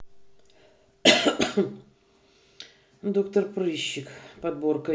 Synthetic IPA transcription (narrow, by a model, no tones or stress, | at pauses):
d̪okt̪ərpɾɨɕːɪkpɐd̪̚borkə